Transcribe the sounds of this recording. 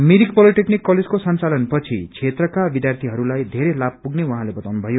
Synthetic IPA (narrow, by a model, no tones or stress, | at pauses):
miɾikpʌliʈeknikːʌled͡zkosʌnt͡salʌnpʌt͡sʰit͡sʰet̪rʌkabid̪jart̪ʰiɦʌɾulajd̪ʱeɾelab̚puɡnewʌɦãlebʌt̪awnubʱʌjo